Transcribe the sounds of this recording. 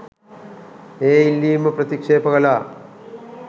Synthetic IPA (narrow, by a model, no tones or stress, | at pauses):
eːilːiːmɐpɾɐt̪ikʂeːpɐɣɐlaː